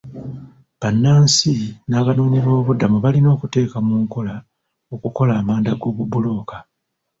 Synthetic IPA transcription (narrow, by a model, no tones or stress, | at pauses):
βanːaːnsinaːβanuːniβo̞ːβudamuβalino̞ːkute̞ːkamuːŋko̞la | o̞kuko̞laːmaːndaɡo̞ːβubulo̞ːka